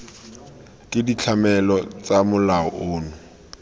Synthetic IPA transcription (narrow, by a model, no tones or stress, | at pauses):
kʼɪdit͡ɬʰamɛlɔt͡samʊlaɔʔʊːnʊ